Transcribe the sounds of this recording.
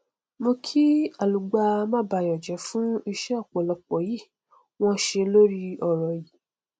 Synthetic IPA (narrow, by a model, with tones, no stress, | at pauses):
mo˧kʰi˦a˨lu˨ɡ͡ba˧mã˦ba˧˨jɔ˨d͡ʒɛ˨˦fũ˦i˧ʃɛ˦ɔ˦˨k͡pɔ˨lɔ˧k͡pɔ˨˦ji˦˨ | w̃ɔ̃˦ʃe˧lo˦ɾi˦ɔ˨ɾɔ˨ji˨